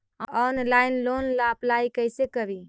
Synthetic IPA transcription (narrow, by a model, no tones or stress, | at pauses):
ɔnlainlonlaplaikəsekəbi